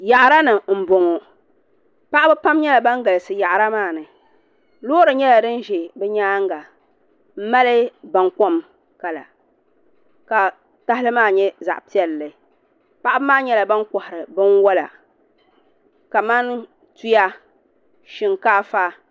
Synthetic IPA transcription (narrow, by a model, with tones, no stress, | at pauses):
ja˨ʔɾa˦nɨ˨m̩˨bo˨ŋo˨ | pa˦ʔa˦bɛ˦pa˦mɲɛ˦la˨ba˦ŋ˦ɡa˨lɨ˨sɨ˨ja˨ʔɾa˦maː˦˨nɨ˨ | loː˦ɾɨ˨ɲɛ˦la˨dɨ˦n˦ʒɛ˨bɛ˦ɲaː˦ŋɡa˨ | m̩˦ma˦lɨ˦ba˨ŋko˦m | ka˨la̰˨ | ka˨ | ta˦hɪ˦lɨ˦maː˦˨ɲɛ˦za̰˨ʔpi˦ɛ˨lːɨ˨ | pa˦ʔa˦bɨ˦maː˦ɲɛ˦la˨ba˦nkɔ˨hɪ˨ɾɨ˨bɨ˦nwɔ˦la̰˨ | ka˨ma˦n | tu˦ja˦ | ʃɪ˦ŋkaː˦faː˦